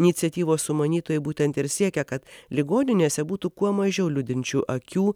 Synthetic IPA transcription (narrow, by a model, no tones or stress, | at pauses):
ɪnʲɪt̪sʲɛt̪ʲiːʋoːssʊmɐnʲiːt̪oːjɛɪbuːt̪ʲɛnt̪ɪɾsʲiɛkʲɛkɐt̪lʲɪɡoːnʲɪnʲeːsʲɛbuːt̪ukuɔmɐʒʲɛʊlʲʊd̪ʲɪnʲt͡ʃʲuːʔɐkʲuː